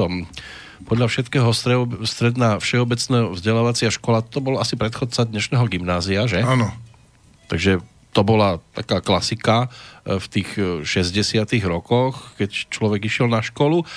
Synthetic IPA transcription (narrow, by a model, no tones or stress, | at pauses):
ɔm | pɔd̪ʎafʃɛt̪kɛːɦɔsst̪ɾɛd̪naːfʃɛɔbɛt͡snɛːɦɔvzɟɛlaːʋat͡sɪaʃkɔlatt̪ɔbɔlasipɾɛt̪xɔt͡sad̪ɲɛʃnɛːɦɔɡimnaːziaʒɛanɔ | t̪aɡʒɛ | t̪ɔbɔlat̪a̰kaːklasikaft̪iːxʃɛzɟɛsɪat̪iɣɾɔkɔxkɛct͡ʃlɔʋɛɡiʃɪɛlnaʃkɔlu